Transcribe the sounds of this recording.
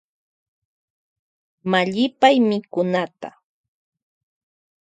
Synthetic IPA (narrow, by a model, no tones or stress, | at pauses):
maʎɪpajmɪkʊnat̪a̰